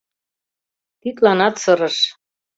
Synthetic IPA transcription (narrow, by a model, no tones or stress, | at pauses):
t̪it̪lɑnɑt̪sɤ̆ɾɤ̆ʃ